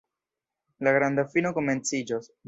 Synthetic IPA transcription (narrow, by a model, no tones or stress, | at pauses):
laɡɾand̪afinoko̞me̞nt͡sid͡ʒos